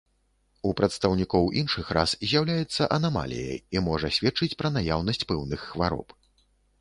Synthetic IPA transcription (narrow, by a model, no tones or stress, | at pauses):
upɾɐt̪st̪ɐwnʲikɔwʔinʂɨxɾa̰szʲjawlʲajɛt̪sːɐʔɐnama̰lʲḭjɐ̰imɔʐɐsʲvʲɛt̚t͡ʂɨt͡sʲpɾɐnajawnɐsʲt͡sʲpɛwnɨxːvaɾɔ̰p